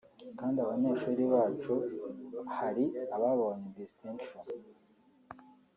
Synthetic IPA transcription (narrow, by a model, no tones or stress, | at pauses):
kaːndiaβaɲeʃuːɾiβaːt͡ʃu | haɾiaβaβoɲedistiŋkʃon